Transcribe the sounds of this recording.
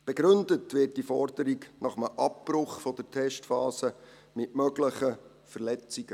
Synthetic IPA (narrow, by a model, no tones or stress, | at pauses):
b̥ɛɡɾɵndətʋɪːt̚d̥ifɔrdəɾiɡnɑχəməʔɑpːrʊχfɔd̥əɾtʰɛʃtfɑːsə | mɪtmœɡləχə | fərlɛt͡siɡ̥ə